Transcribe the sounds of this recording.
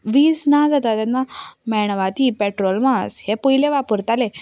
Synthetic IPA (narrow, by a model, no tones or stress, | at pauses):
ʋiːd͡znad͡zat̪at̪anːamɛɽ̃ʋat̪ipɛʈɾɔlmashepuileʋapuɾt̪ale